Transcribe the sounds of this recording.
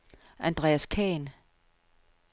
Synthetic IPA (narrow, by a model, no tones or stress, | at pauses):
ʔænd̥ʁɛ̰ːæskʰɛːn